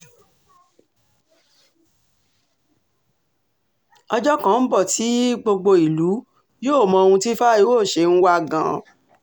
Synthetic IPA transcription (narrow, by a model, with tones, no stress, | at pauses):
ɔ˧d͡ʒɔ˦kã˦m̩˦bɔ˦˨ti˨˦ɡ͡bo˧ɡ͡bo˧i˨lu˨˦ | joː˦˨mɔ̃˧o˧hũ˧ti˦fa˦i˦wo˦˨ʃe˧n̩˦wa˦˨ɡã̰˨